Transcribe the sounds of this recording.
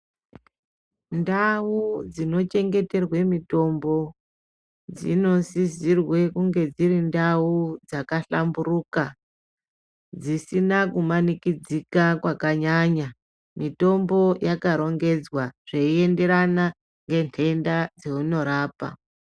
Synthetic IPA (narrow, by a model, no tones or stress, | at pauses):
ndaud͡zino̞t͡ʃe̞ŋɡe̞te̞rwe̞mito̞mbo̞ | d͡zḭno̞sizirwe̞kuŋɡe̞d͡zirindaud͡zakaɬamburuka | d͡zisinakumanikid͡zikakwakaɲaɲa | mito̞mbo̞jakaɾo̞ŋɡe̞d͡zwaʐ̥eie̞nde̞ɾana | ŋɡe̞ntʰe̞ndad͡zeuno̞ɾaːpa̰